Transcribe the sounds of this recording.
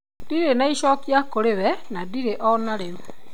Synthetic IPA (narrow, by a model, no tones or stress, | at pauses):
diɾenaiʃɔːkjakoɾeβɛnadiɾeʔɔnaɾeɾu